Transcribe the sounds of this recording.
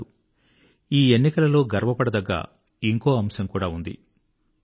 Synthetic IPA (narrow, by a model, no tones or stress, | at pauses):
u | iːe̞nːikɐlɐlo̞ːɡɐɾʋɐpɐɽɐd̪ɐɡːa̰ː | iŋko̞ːɐmsɐŋkuːɽaːund̪ḭ